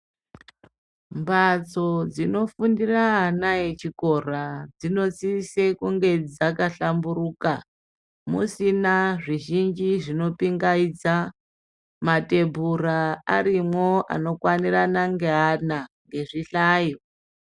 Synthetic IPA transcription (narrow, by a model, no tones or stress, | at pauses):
mbat͡sod͡zino̞fundiraɦanajet͡ʃiko̞rad͡zino̞t͡sisekuŋɡe̞d͡zakaɬamburuːka | mṵsinaʐiʒind͡ʒiʐino̞piŋɡaid͡za | mate̞bʱuraa̰ɾimwo̞a̰no̞kwaniranaŋɡeɦanaŋɡe̞ʐiɬaːjo